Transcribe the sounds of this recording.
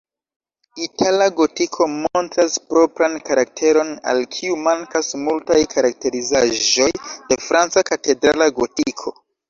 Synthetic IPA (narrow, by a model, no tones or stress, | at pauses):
itʰalaɡo̞tikʰomontɾaspɾo̞pɾankaɾak̚tʰe̞ɾo̞na̰lkʰiumaŋkasmultajkʰaɾak̚te̞ɾizaʒo̞jde̞fɾant͡sakate̞dɾalaɡotikʰo̞